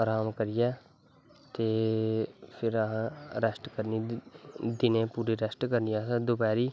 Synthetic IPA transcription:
ɾaːmkəɾija | t̪e | pʰɪɾəɦãɾɐsʈkəɾni | d̪ɪnẽpuːɾiɾəsʈkəɾniasɛd̪opɛːɾi

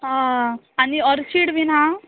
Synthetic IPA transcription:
ɦã | aniɔɾt͡ɕiɽʋina

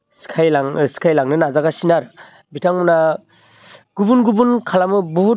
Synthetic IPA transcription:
si̥kʰajlaŋsi̥kʰajlaŋnɯnazaɡasinaɾ | bitʰaŋmuna | ɡ̥ubunɡubunkʰalamɯbɔɦu

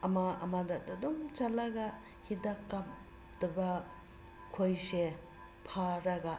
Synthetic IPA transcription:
ɐmaɐ̰madatɐdumt͡ʃalaɡa | hidakːap̚ | d̥ɐbɐ | kʰojse | pʰaɾɐɡa

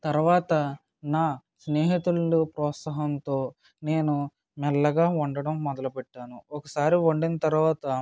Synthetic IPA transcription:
t̪ɐɾuʋaːt̪ɐ | naːsneːɦit̪ullupɾɔːt̪sɐɦɐnt̪o̞ː | ne̞ːnu | mɛlːɐɡaːuɳɖɐɽɐmːɔd̪ɐlɐpɛʈːaːnuɔkɐsaːɾioɳɖinɐt̪ɐɾuʋaːt̪ɐ

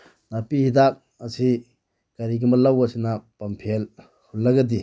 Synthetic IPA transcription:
napihidak̚ | ɐsi | kɐɾiɡimɐlawɐsinapɐmpʰel | hulːɐɡɐdi

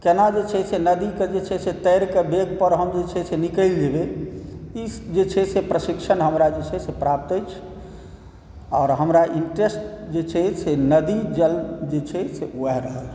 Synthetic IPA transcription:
kɛnad͡ʒet͡ʃʰɛsenəd̪iked͡ʒet͡ʃʰɛset̪əɪɾkebeɡpəɾɦəmd͡ʒet͡ʃʰɛsenikəjld͡ʒebe | id͡ʒet͡ʃʰɛsepɾəsikʃʰənɦəmɾad͡ʒet͡ʃʰɛsepɾap̚t̪əjt͡ʃʰ | ɔːɾɦəmɾaʔiɳʈɾesʈ̚d͡ʒet͡ʃʰɛsenəd̪id͡ʒəld͡ʒet͡ʃʰɛseuɛɦɾəɦəl

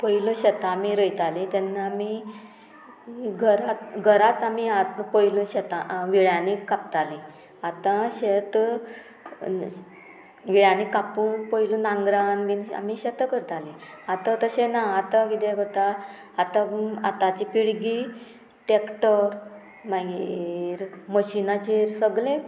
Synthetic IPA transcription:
pəjluɕet̪aːmiɾəjt̪alit̪ɛnːaami | ɡʱəɾat̪ɡʱəɾat͡s̪amiapəjlũɕet̪aʋiɭjanikap̚t̪alĩ | at̪ãɕet̪ | ʋiɭjanikapũpəjlũnãŋɡɾanbina̰miɕet̪kəɾt̪alĩat̪at̪əɕenaat̪akit̪ekəɾt̪a | at̪ãa̰t̪at͡ɕipiɽɡi | ʈekʈəɾ | maɡiɾməɕinat͡ɕiɾsəɡlẽ

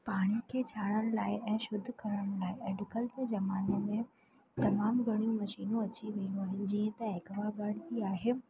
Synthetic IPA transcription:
paːɽ̃ikʰeːt͡ɕʰaːɽ̃əɽ̃̆laːɪʔɛ̃ːʃʊd̪ʱkɐɾəɽ̃laːɪʔeːɖɪkəld͡ʑezɐmaːnemẽ | t̪ɐmaːmɡʱɐɽ̃ijũmɐʃiːnũɐt͡ɕiʋɐjuaːɦɪnɪ̆d͡ʑiːə̃t̪ɐɪkʋaɡaɽt̪iaːɦeː

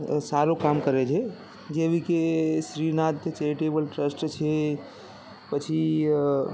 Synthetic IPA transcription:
saɾokamkəɾed͡ʒʰɛ | d͡ʒebʱikesɾinat̪t͡ʃeʈebəlʈɾəsʈt͡ʃʰɛ | pət͡ʃʰi

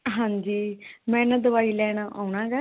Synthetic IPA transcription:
ɦãːɲd͡ʒiːmɛ̃ːnãːd̪əbaːiːlɛːɽ̃aːʔa̰ːuɳ̃ãːɡaː

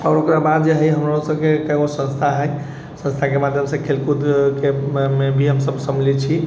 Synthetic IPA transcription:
ɔːɾokɾabad̪̚d͡ʒeɦəjɦəmɾosəbkekəjbosə̃nst̪ʰaɦəj | sə̃nst̪ʰakemad̪ʱjəmsẽkʰelkud̪kemebʱiɦəmsəbsəmlit͡ʃʰi

